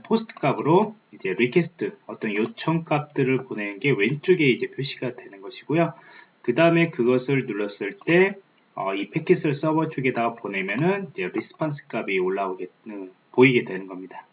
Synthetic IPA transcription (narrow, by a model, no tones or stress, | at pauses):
pʰosʰɯ̥tʰɯ̥k͈abɯɾoid͡ʑe̞ɾikʰesʰtʰɯʌt͈ʌnjot͡ɕʰʌŋk͈ap̚t͈ɯɾɯɭpone̞nɯnɡe̞we̞nt͡ɕ͈oɡe̞id͡ʑe̞pʰjoɕʰiɡadwe̞nɯnɡʌɕʰiɡ̥ojokɯdaɯme̞kɯɡʌsʰɯɭnuɭːʌs͈ɯɭt͈e̞ | ʌ̰ipʰe̞kʰisʰɯɭs͈ʌbʌt͡ɕʰoɡe̞daɡapone̞mjʌnɯnid͡ʑe̞ɾisʰɯ̥pʰʌns͈ʰɯ̥k͈abioɭːaoɡeɯ | poiɡe̞dwe̞nɯnɡʌmɲida